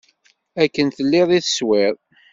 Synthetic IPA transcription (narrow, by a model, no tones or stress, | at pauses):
ækːənθəlːɪðˤiθə̥swɪðˤ